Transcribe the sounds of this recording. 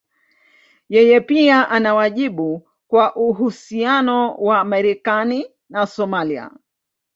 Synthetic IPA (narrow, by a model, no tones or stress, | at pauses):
jɛjɛpiaʔanawaʄiɓu | kwaʔuɦusianɔwamɛɾɛkani | nasɔmalia̰